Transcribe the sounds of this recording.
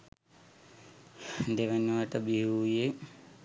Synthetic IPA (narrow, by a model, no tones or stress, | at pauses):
d̪eʋenʋaʈəbiɦuje